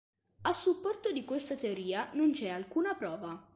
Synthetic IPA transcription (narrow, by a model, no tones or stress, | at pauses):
asːupːɔrt̪od̪ikwest̪at̪eoɾiːanont͡ʃɛalkuːnapɾɔːva